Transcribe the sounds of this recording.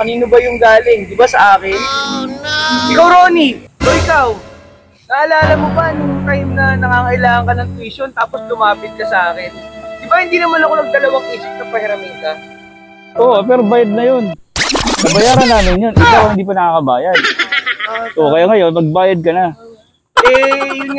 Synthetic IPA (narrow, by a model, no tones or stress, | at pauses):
kɐniːnobɐjʊŋɡaːlɪŋd̪ɪbasɐʔaːkɪn | ʔɪkawɾoːniʔoʔɪkaw | naʔɐlaːlɐmobɐnʊŋt̪ajmnɐnɐŋaːŋɐʔɪlaːŋɐŋkɐnɐŋt̪wiʃont̪aːpo̞slʊmaːpɪt̪̚kɐsɐʔaːkɪnd̪ɪbahɪnd̪iːnɐmanɐko̞nɐɡ̚d̪ɐlɐwaŋwisɪp̚kɐpɐhɪɾɐmɛːnt̪ɐ | ʔoʔpɛːɾobaːjad̪̚nɐjon | nɐbɐjaːɾɐnːaːmɪnjo̞nʔɪkawhɪnd̪iːp̬ɐnɐkaːkɐbaːjɐd̪̚ | ʔokɐjaːŋɐjonmɐɡ̚baːjɐd̪̚kɐna | ʔɛŋ